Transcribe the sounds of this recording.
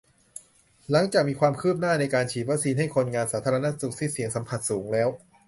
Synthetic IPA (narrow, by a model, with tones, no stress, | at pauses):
la˩˦ŋt͡ɕaː˨˩k̚miː˧kʰwaː˧mkʰɯː˥˩p̚naː˥˩na˧jkaː˧nt͡ɕʰiː˨˩a˦˥siː˧nɦa˥˩jkʰo˧nŋaː˧nsaː˩˦t̪ʰa˧ɾa˧na˦˥su˨˩k̚si˦˥t̪̚si˩˦əŋsa˩˦mpʰa˨˩t̪̚suː˩˦ŋlɛː˦˥w